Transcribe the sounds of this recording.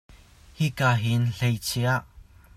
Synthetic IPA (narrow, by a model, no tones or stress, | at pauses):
hikaːɦinɬejt͡sʰiʔaʔ